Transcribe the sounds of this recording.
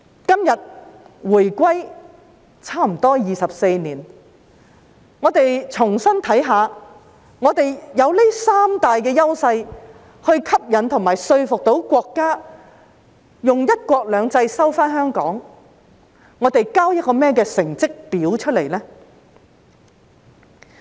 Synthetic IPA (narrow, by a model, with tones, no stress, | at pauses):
kɐ˥mjɐ˨t̚wuː˨˩jkʷwɐ˥j | t͡sʰaː˥m̩˨˩t̪ɔː˥jiː˨˧sɐ˨p̚se˧jniː˨˩n | ŋɔː˨˧t̪e˨jt͡sʰʊ˨˩ŋsɐ˥nt̪ʰɐ˨˥jɦaː˨˧ | ŋɔː˨˧t̪e˨jjɐ˨˧wlɪ˥saː˥mt̪aː˨jkɛː˧jɐ˥wsɐ˧j | hɵ˧ɥkʰɐ˥p̚jɐ˨˥nt̪ʰʊ˨˩ŋmaː˨˩jsɵ˧ɥfʊ˨k̚t̪o˨˥wkʷɔː˧kːaː˥ | jʊ˨ŋjɐ˥t̚kʷɔː˧k̚lœː˨˧ŋt͡sɐ˧jsɐ˥wfaː˥nhœː˥ŋkɔ̰ː˨˥ŋ | ŋɔː˨˧t̪e˨jkaː˥wjɐ˥t̚kɔː˧mɛː˥kɛː˧sɪ˨˩ŋt͡sɪ˥k̚piː˨˥wt͡ʃʰɵ˥t̚le˨˩jlɛː˥